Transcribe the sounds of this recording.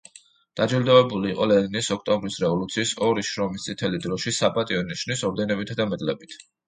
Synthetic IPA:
d̪̥ad͡ʒild̪avɛbuliːqʼɔlɛd̪nisɔk̚ʰt̪ʼɔmbɾisɾɛvɔlut̪sʰiːsɔɾiʃɾɔmist̪sʼit̪ʰɛlid̪ɾɔʃisapʼat̪ʼiɔniʃnisɔɾd̪ɛnɔbit̪ʰad̪amɛt̪ʼlɛbit̪ʰ

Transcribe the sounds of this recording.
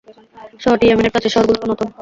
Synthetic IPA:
ʃɔʈiamineɾpʈat͡ɕʰeʃɔɾɡuloonɔt̪o

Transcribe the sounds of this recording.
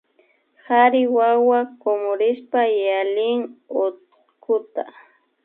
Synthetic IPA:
haɾɪwawakomʊɾɪspajalɪŋʊt̪ | kʰʊt̪a

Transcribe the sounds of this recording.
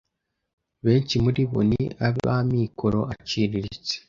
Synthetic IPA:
βe̞ːɲcimuɾiβo̰niaββa̰miːkʰoɾo̞ʔat͡ʃiːɾiɾit͡se̥

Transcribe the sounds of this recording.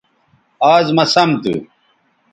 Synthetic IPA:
aːzmɐsɐmt̪ɨ̰

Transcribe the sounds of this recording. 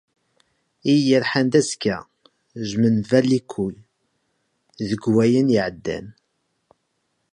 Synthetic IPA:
ijəɾħand̪æskæ | ʒmənvælikʷʰːuj | ðəɡwæjənjiʕəd̪ːæ̰n

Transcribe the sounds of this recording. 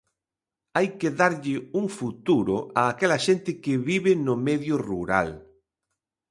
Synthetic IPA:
ajkeðaɾʎɪuŋfut̪uɾʊ̰ʔaːkɛlɐʃent̪ɪkɪβiβɪnʊmɛðjʊruɾa̰l

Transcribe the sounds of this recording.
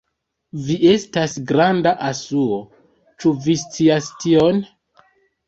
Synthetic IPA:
viʔe̞stasɡɾandaʔasuo | t͡ʃuvist͡siastion

